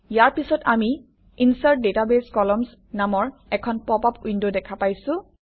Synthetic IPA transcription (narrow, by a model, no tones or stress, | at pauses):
ijaɹpisɔtami | insaɹ̚detabeskɔlɔms | namɔɹɛkʰɔnpɔpapuijndodɛkʰapajsʊ̃